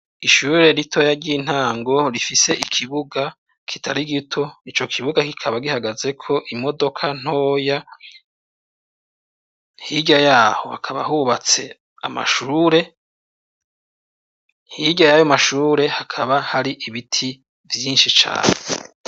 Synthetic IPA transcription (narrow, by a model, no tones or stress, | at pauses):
iʃuːɾe̞ɾitʰo̞jaɾɟiːn̥haːŋɡo̞ɾifise̞ʔikʰiβuɡa | kʰi̥tʰaɾiɡitʰo̞it͡ʃo̞kʰiβuɡakikʰaβaɡihaɡaze̞kʰo̞ʔimo̞do̞kʰan̥hoːja | hiɟajaːho̞hakʰaβa̰huβat͡se̞ | a̰ma̰ʃuːɾe̞ | hiɟajajomaʃuːɾe̞hakʰaβahaɾiʔiβitʰi | vjiːnʃit͡ʃa̰ːne